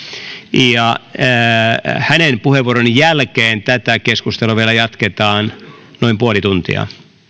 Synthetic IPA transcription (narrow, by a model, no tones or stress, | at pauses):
jɑ | hænenpuheʋːuoɾonjælkeːnt̪æt̪ækeskust̪eluʋielæjɑt̪ket̪ɑːn | noimpuolit̪unt̪ḭɑ̰